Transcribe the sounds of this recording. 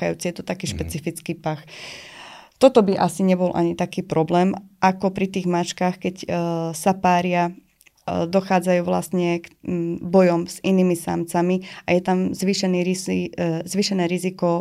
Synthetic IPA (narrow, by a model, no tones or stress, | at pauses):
ajṵːt͡sijɛt̪ɔt̪akiːʃpɛt͡sifit͡skiːpax | t̪ɔt̪ɔbiʔasiɲɛbɔlʔa̰ɲit̪akiːpɾɔblɛːmʔakɔpɾit̪iːɣmat͡ʃkaːxkɛcsapaːɾɪa | d̪ɔxaːd͡zajuːʋla̰st̪ɲɛkbɔjɔmz̥iniːmisa̰mt͡samia̰jɛt̪amzʋiʃɛniːɾizʋiːʃɛnɛːɾizikɔ